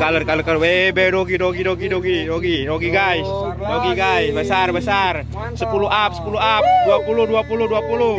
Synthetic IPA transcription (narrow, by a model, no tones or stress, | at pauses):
kalərkaləkaɾuwɛbɛɾɔɡidoɡidoɡidɔɡiɾoɡiɾoɡiɡais | doɡiɡaisbasarbasar | səpuluap̚sə̥puluap̚duapuluhduapuluduapulu